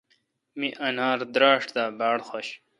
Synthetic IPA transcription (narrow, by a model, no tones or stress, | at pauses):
miʔɐnaːɾd̪ɾaːʂʈd̪aːbaːɽxoɕ